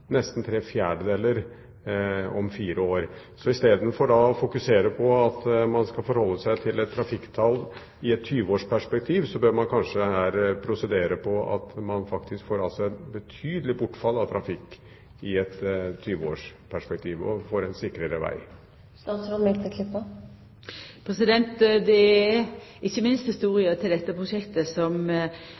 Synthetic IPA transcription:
nɛst̪n̩t̪ʰɾeːfjæːɖəd̪eːlːəɾ | ɔmfiːɾʔəoːɾ | sɔɪst̪eːd̪nfɔɖɑɔfʊkʉseːɾəpʰɔɑt̪mɑnskɑlfɔɾhɔlːəsæɪt̪ʰɪlɛt̪ʰːɾɑfɪkːt̪ʰɑl | ɪɛt̪ʰːyːʋəoːʂpʰæʂpɛk̚t̪ʰiːʋsɔbøːɾmɑnkʰɑnʂəhæːɾpʰɾʊsɛd̪eːɾəpʰɔɑ̰t̪mɑnfɑkt̪ʰɪskfoːɾɑlsɔɛt̪bət̪ʰyːd̪əlɪbʊʈːfɑlːɑt̪ʰɾɑfɪkː | ɪɛt̪ʰːyːʋəo̰ːʂpʰæʂpɛk̚t̪ʰiːʋɔ̰foːɾɛnsɪkːɾəɾəʋæ̰ɪ | st̪ɑːt̪sɾɔnmɛkt̪ʰɪkʰlɪpːə | pʰɾɛsɪd̪ɛnt̪d̪ɛæɪçːəmɪnst̪hɪst̪uːɾɪət̪ʰɪld̪ɛt̪ːəpʰɾʊʃɛkt̪əsɔm

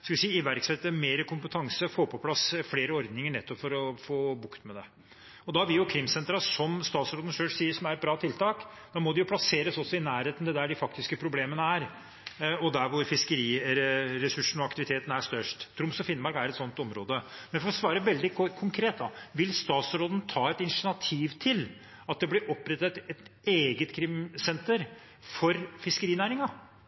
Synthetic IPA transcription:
skɑʋɪsiːɪʋæɾksɛt̪ːəmeːɾəkʰʊmpət̪ʰɑŋsəfoːpʰɔpʰlɑsfleːɾəɔɾd̪nɪŋəɳɛt̪ːɔpfɔɾɔfoːbʊkt̪mɛd̪ɛ | ɔd̪ɑʋɪljʊkʰɾɪmsɛnt̪ɾɑsɔmst̪ɑːt̪sɾoːd̪n̩ʂøːʂsiːəʂɔmæɾɛt̪bɾɑːt̪ʰɪlt̪ʰɑːkd̪ɑmɔd̪ɛjʊpʰlɑseːɾəsɔsːɔɪnæːɾheːt̪n̩d̪ɛd̪æɖɪfɑkt̪ɪskəpʰɾʊbleːmənəæɾ | ɔd̪æɾʋʊɾfɪskəɾiːɾɾɛsʉʂːɳ̩ɔɑkt̪ɪʋɪt̪ʰeːt̪n̩æʂt̪œʂʈt̪ʰːɾʊmsɔfɪnmɑɾɡæɾɛt̪sɔnt̪ɔmɾo̰ːd̪əmɛnfɔɾɔsʋɑːɾəʋɛld̪ɪkʰʊŋkʰɾeːt̪̚d̪ɑʋɪlst̪ɑːt̪sɾoːd̪ənt̪ʰɑːɛt̪ɪnʂɪnɑt̪ʰiːʋt̪ʰɪl | ɑt̪̚d̪ɛblɪɾʔɔpːɾɛt̪ːət̪ɛt̪eːɡət̪kʰɾɪmsɛnt̪əɾ | fɔɾfɪskəɾiːnæːɾɪŋɑ

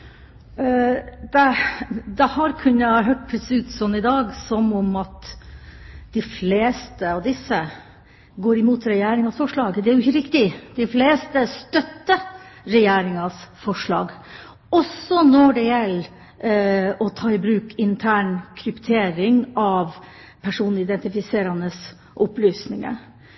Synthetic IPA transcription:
d̪̥ɛd̪ɛhɑɾkʰʉnːəɦøːʈ̚pʰɾɛsʉːt̪sɔnːɪd̪ɑːɡsɔmɔmɑt̪ | d̪̥ɪfleːst̪əɑʋd̪ɪsːə | ɡoːɾɪmuːt̪ɾɛjeːɾɪŋɑsfɔʂɭɑːɡd̪ɛæɾjʊɪçːəɾɪkt̪ɪd̪̥ɪfleːst̪əst̪œt̪ːəɾɛjeːɾɪŋɑsfɔʂɭɑ̰ːɡ | ɔsːɔnɔɖɛjɛlː | ɔt̪ʰɑːɪbɾʉːkʰɪnt̪ʰæːɳkʰɾʉpt̪ʰeːɾɪŋɑʋ | pʰæʂuːn̩ɪd̪ɛnt̪ɪfɪseːɾɑnəs | ʔɔplyːsnɪŋə̰

